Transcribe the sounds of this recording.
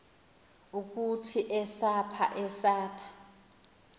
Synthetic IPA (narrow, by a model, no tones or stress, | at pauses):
uk̬utʰiʔɛsapʰa̰ʔɛsaːpʰḁ